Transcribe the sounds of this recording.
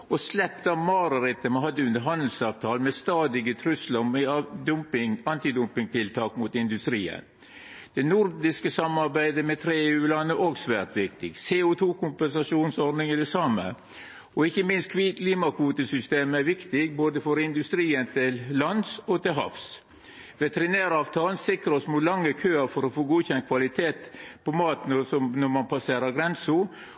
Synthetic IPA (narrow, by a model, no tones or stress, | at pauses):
ɔslɛpt̪ɑmɑːɾəɾɪt̪ːəmɑnɦɑd̪ːəʉnd̪əɾɦɑnd̪əl̩sɑːʋt̪ʰɑːlmɛst̪ɑːd̪ɪɡət̪ʰɾʉsləmɛd̪ʊmpɪŋɑnt̪ɪd̪ʊmpɪŋt̪ɪlt̪ʰɑːkmʊt̪ɪnd̪ʉst̪ɾiːə̰n | d̪̥ɛnʊɾd̪ɪskəsɑmɑɾbæɪd̪əmɛt̪ʰɾeːeːʉːlɑnːəʔoːɡsʋæːɾt̪ʋɪk̚t̪ɪɡseːʊt̪ʰuːkʰʊmpɛnsɑʂuːnsɔɾd̪nɪŋæd̪ɛsɑmːə̰ | ɔɪçːəmɪnst̪̚kʰʋkʰliːmɑkʰʋuːt̪əsʏst̪eːmæɾʋɪkt̪ɪɡ̚boːd̪əfɔɾɪnd̪ʉst̪ɾiːənt̪ʰɪllɑnsɔt̪ɪlɦɑ̰fs | ʋɛt̪əɾɪnæːɾɑːʋt̪ʰɑːlnsɪkɾəɔsmut̪lɑŋːəkʰøːəɾfɔɾɔfoːɡuːçɛnt̪̚kʰʋɑlɪt̪ʰeːt̪pʰɔmɑːt̪nɔsɔmnɔmɑnpʰɑseːɾəɡɾɛnsʊ